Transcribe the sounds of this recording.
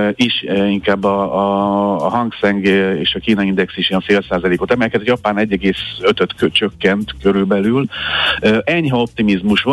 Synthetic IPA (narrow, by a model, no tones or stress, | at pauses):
iʃiŋkaːbːɒːɦɒŋɡsɛŋɡeːʃɒkiːnɒind̪ɛksiʃiɛɱfeːlsaːzɒleːko̞t̪ɛmɛjkɛt̪jɒpaːnɛɟːɛɡeːsøt̪øt̪øt͡ʃøkːɛnt̪køɾylbɛlyløːʔɛɲɦɒo̞p̚t̪imizmuʃʋo